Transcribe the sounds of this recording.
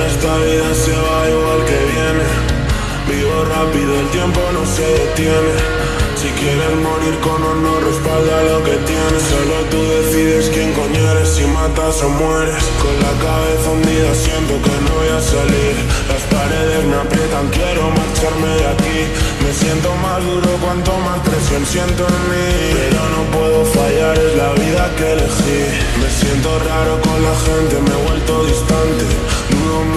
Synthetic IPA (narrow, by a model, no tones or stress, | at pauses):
e̞st̪aβiðase̞βaiɣwalke̞βje̞ne̞ | biɣo̞rapiðoelt̪je̞mpo̞no̞se̞ot̪je̞ne̞ | sikje̞ɾe̞nmo̞ɾiɾko̞nonore̞spald̪alo̞ke̞t̪jenesalɣot̪uðe̞θiðe̞skjeŋko̞ɲeɾe̞simat̪aso̞mwe̞ɾe̞skonlakaβe̞θaund̪iasje̞nt̪o̞ke̞noβojasaliɾlaspaɾe̞ð̞e̞zmeapɾje̞t̪aŋkje̞ɾo̞maɾt͡ʃaɾme̞ðaki | me̞sje̞nt̪o̞mazðuɾo̞kwant̪o̞maskɾesonsje̞nt̪oenmĩpe̞ɾo̞no̞pwe̞ðo̞faʝaɾe̞zlaβiðakele̞xi | me̞sje̞nt̪o̞raɾo̞ko̞nlaxe̞nt̪e̞me̞ɣwe̞lt̪o̞ðist̪ant̪e̞ | no